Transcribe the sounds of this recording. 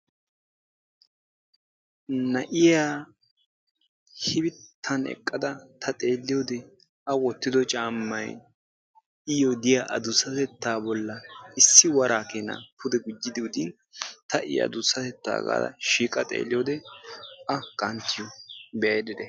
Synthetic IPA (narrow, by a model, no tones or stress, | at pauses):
nɐʔɪjaː | hɪbɪt̪ʰːɐnɛ̰kʼːɐd̪ɐt̪ʰɐt̪ʼe̞ːlːɪjod̪ɛ | ʔɐwɔt̪ːɪd̪ɔt͡ʃʼaːmːɐj | ɪjɔd̪ɪjaʔɐd̪ʊsːɐt̪ɛt̪ːaːbɔlːɐɪsːɪwɐɾaːkeːnɐ̰pʰʊd̪ɛɡʊd͡ʒːɪd̪ɪʊd̪ɪn | t̪ɐʔɪ̰jɐ̰d̪ʊsːɐt̪ɛt̪ːa̰ːɡa̰ːd̪ɐ̰ʃiːkʼɐt̪ʼḛːlːɪjod̪ɛʔɐkʼɐnt̪ːɪjɔbɛjɐjd̪ɪd̪ɛ